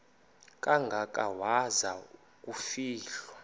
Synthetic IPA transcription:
kʼaŋɡʱakʼawaza | k̬ʼufiːɬwa

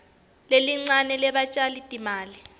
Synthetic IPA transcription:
leliŋ͡ǀanɛlɛɓat͡ʃʼalitʼimaːli

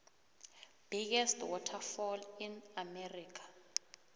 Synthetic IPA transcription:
b̥iɡɛstwɔtʰafɔlinamɛrikʰḁ

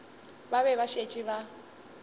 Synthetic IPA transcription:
baβɛβaʃet͡ʃʼiβa

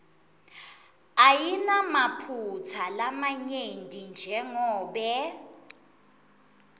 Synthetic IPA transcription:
ajinamapʰut͡sʰalamaɲendʱʼind͡ʒʱɛŋɔːɓɛ

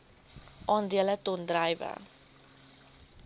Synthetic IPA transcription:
ʔɑːndiələtɔndrɐjvə̰

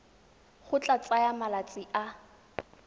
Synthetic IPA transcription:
χʊt͡ɬʼat͡sʼajamalat͡sʼɪʔa

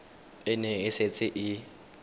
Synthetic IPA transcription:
ɪneɣiset͡sʼɪʔɪ

